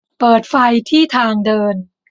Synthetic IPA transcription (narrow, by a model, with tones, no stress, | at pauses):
pɤː˨˩t̪̚fa˧jt̪ʰiː˥˩t̪ʰaː˧ŋdɤː˧n